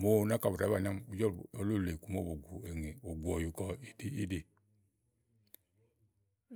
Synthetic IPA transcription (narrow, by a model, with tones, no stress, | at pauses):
mo˦˨˦na˦ka˨βu˨a˨˦βa˦˨n˦a˦mu˨d͡ʒɔ˦o˨˦lo˦˨le˨ku˨mo˦bo˨ɡʷu˨e˨ŋe˨o˨ɡʷu˨ɔ˨ju˨kɔ˨i˨di˦i˦di˨